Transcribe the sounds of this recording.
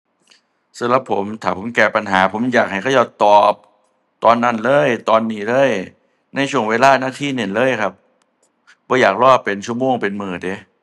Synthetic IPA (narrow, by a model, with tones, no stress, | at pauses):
sa˨˦mɾa˧˦pʰːo˩˦mt̪ʰaː˨˩pʰo˨˩˦mkɛː˧˩pa˧nɦaː˩˦pʰo˩˦mjaː˨˩k̚ha˧˩jʰa˥˩˨jaː˧˩t̪ɔː˨˩p̚ | t̪ɔː˧nːa˧˥˩nlɤː˧˥˩jt̪ɔː˧nːiː˧˩lɤː˧˥˩j | na˧˩jt͡ɕʰu˧˩əŋweː˧laː˥˩naː˧˥˩t̪ʰiː˥˩˨ne˧˩nlɤː˧˥˨jkʰa˦˥˩p̚ | bɔː˧˦jaː˨˩k̚lɔː˥˩pe˧nt͡ɕʰu˥˩ə˨moː˧˩ŋpe˧nmɯː˨˩de˧˦